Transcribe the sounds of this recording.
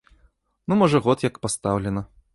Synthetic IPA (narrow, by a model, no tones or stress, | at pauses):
numɔʐɐɣɔt̪jɐkpast̪awlʲɛnɐ